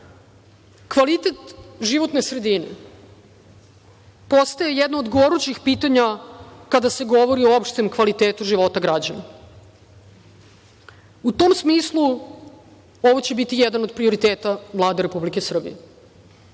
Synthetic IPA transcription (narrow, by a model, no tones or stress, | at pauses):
kʋalit̪et̪ʒiʋot̪nesɾe̞d̪inḛ | po̞st̪aje̞jɛd̪nood̪ɡoʋoɾut͡ɕixpiːt̪aɲakad̪ase̞ɡo̞ʋo̞ɾioopʂt̪emkʋalit̪eːt̪uʒiʋo̞t̪aɡɾad͡ʑana | ut̪omsmiːslˠu | o̞ʋo̞t͡ɕe̞bit̪ijɛd̪anod̪̚pɾio̞ɾit̪eːt̪aʋlˠaːd̪eɾepublikesr̩bḭje